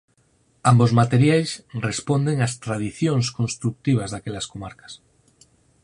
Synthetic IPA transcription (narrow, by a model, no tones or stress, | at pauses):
ambozmat̪eɾjajsrespond̪eŋast̪ɾað̞iθjõŋskõnst̪ɾuk̚t̪iβ̞azðakeʎaskomaɾkḁs